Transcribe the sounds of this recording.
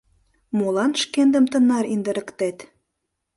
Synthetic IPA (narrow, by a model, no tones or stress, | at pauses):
molɑnʃkend̪ə̆mt̪ə̆nɑɾind̪ə̆ɾə̆kt̪et̪